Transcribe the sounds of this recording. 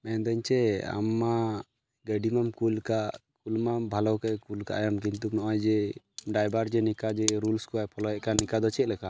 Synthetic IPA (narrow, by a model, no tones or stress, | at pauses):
mɛnd̪ɛɲt͡ʃɛa̰mːa | ɡəɖimamkulkaʔkulmambʱalɔwkakulka̰ʔajamk̬int̪uk̚nɔʔɔjd͡ʒɛ | ɖajbaɾd͡ʒɛnikad͡ʒɛɾulskuajpʰɔlɔjɛʔkanikad̪ɔt͡ʃɛt̪̚lɛka